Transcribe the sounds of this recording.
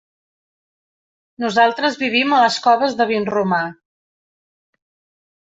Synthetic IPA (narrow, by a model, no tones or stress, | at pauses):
nuzalˠt̪ɾəzβiβ̞imələskɔβəzðəβinruma